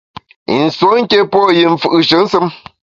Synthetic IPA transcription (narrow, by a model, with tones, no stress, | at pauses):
ḭ˨n̩˨swo˨˦ŋ̩˦ke˦pɔ˦˨ji˨ɱ̩˨fɯ˦˨ʔʃə˨˦n̩˦sɨ˦m